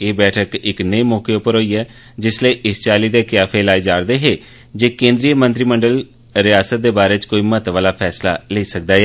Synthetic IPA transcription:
eːbɛːʈʰəkɪknəiːmoːkeʊpəɾɦoːiːɛː | d͡ʒɪsleiːʔɪst͡ʃaːliːd̪eːkɪjaːpʰeːlaːiːd͡ʒaːɾd̪eːɦeː | d͡ʒeːkẽːnd̪ɾijəmənt̪ɾiːməɳɖəl | ɾɪjaːsət̪̚d̪eːbaːɾeːt͡ʃkoːiːmət̪ʋaːlaːpʰɛːsla̰ːleiːsək̚d̪aːɛː

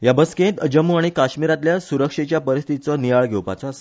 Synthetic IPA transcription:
jabəskẽt̪əd͡ʑəmuaɽ̃ikaɕmiɾat̪ljasuɾəkʂet͡ɕjapəɾist̪ʰiit͡sɔnijaɭɡʱewpa̰t͡sɔase̥

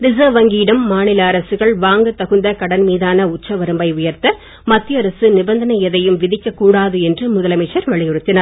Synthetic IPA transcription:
ɾɪsɐːʋɐŋɡiːɽɐmːaːnɪlaːɾɐsɯɣɐɭʋaːŋɡɯt̪ːɐɣɯnd̪ɐkɐɽɐnmiːðaːnɐʊt͡ʃːɐʋɐɾɯmbɐɪʊjɐɾt̪ɐ | mɐt̪ːjɐɾɐsɯnɪbɐnd̪ɐnɐjɛðɐjɯmʋɪðɪkːɐkːuːɽaːðɯɛndrɯmʊðɐlɐmɪt͡ʃːɐɾʋɐɭɪjɔɾɯt̪ːɪnɐɾ

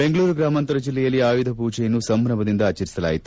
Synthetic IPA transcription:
be̞ŋɡɐɭuːɾuɡɾaːmɐnt̪ɐɾɐd͡ʒilːɛjɐlːiaːjud̪ʱɐpuːd͡ʒɛjɐnːusɐmɾɐmɐd̪ind̪ɐaːt͡ʃɐɾisɐla̰ːjit̪u

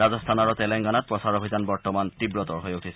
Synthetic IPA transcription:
azɔst̪ʰanaɹɔtɛlɛŋɡanat̚pɹɔsaɹobʱizanbɔɹtɔmantibɹɔtɔɹɦɔjutʰisɛ

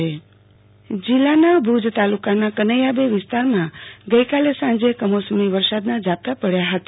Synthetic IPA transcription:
e | d͡ʒilːanabʱud͡ʒt̪alukanakənəjabeʋɪst̪aɾmãɡəjkalesãnd͡ʒekəmosəmiʋəɾsad̪nad͡ʒap̚t̪apəɽjaɦət̪a

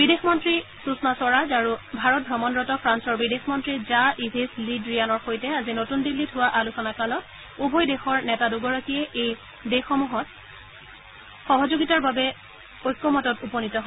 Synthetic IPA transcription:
bidexmɔntɹisusnasɔɹazaɹubʱaɹɔt̚bʱɹɔmɔnɹɔtɔpʰɹansɔɹbidexmɔntɹizaʔibʱislidɹijanɔɹxojtɛazinotundilːitʰʊwaʔalusɔnakalɔt̚ | ubʱɔjdexɔɹnɛtaduɡɔɹakiɛʔej | dexɔmuɦɔt̚ | xɔɦɔzoɡitaɹbabɛ | ojkːɔmɔtɔtupɔnitɔɦɔ

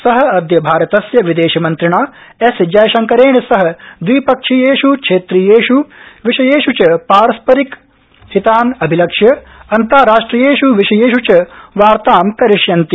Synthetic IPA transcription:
sɐɦɐ̆ɐd̪jɐbʱaːɾɐt̪ɐsjɐʋid̪eːʃɐmɐnt̪ɾiɳaː | esd͡ʒɐjʃɐŋkɐɾeːɳisɐɦɐ̆d̪ʋiːpɐkʂijeːʃukʂʰeːt̪ɾijeːʃuʋiʃɐjeːʃut͡ʃɐpaːɾɐspɐɾik | sit̪aːnɐbʱilɐkʂjɐ | ɐnt̪aːɾaːʂʈɾijeːʃuʋiʃɐjeːʃut͡ʃɐʋaːɾt̪aːmkɐɾiʂjɐnt̪i

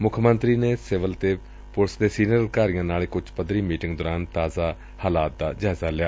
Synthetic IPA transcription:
mʊkʰmənt̪ɾiːneːsɪʋəlt̪eː | pʊlsd̪eːsiːnəɾəd̪kaːɾijãːnaːleːkʊd͡ʒpəd̪ɾiːmiːʈɪŋɡd̪oːɾaːnt̪aːzaː | haːlaːt̪̚d̪aːd͡ʒaːzaːlɪjaː

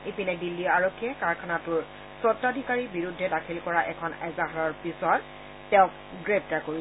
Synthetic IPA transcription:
ipinɛdilːiaɹokʰːijɛkaɹkʰanatʊɹ | sɔtːadʱikaɹibiɹudʱːɛdakʰilkɔɹaʔɛkʰɔnɛzaɦaɹɔɹpisɔtː | ɛʊ̃k̚ | ɡɹeb̚takoi

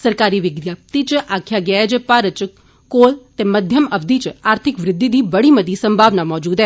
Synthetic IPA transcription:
səɾkaːɾiʋɪɡɾjaːp̚t̪it͡ʃʔaːkʰːjaɡɐed͡ʒepaɾət͡ʃ | koːlt̪emɐd̪ʱjəmɐbd̪it͡ʃaːɾt̪ʰɪkʋɾɪd̪ːid̪iːbɐɽiməd̪isə̃mbʱaːʋnamɔːd͡ʒuːd̪ɦɛː

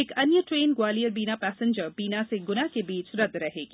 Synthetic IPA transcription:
ekɐnjəʈɾeːnɡwaːlijəɾbiːnapɛːsɪ̃ɲd͡ʒəɾbiːnaseɡʊnakebiːt͡ʃɾɐd̪ɾɐɦeːɡiː

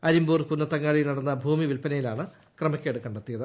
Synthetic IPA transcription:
ɐɾimbuːrkunːɐt̪ːɐŋːaːɭinɐɽɐnːɐbʱuːmiʋilpɐnɐjilaːɳɨ | krɐmɐkʲːeːɽɨkɐɳɖɐt̪ːijɐðɨ

